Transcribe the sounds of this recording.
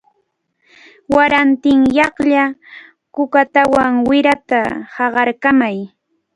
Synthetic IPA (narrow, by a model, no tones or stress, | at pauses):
waɾant̪ɪŋjɑχʎa | kʊkat̪awaŋwɪɾat̪ahɑɢɑɾkamaj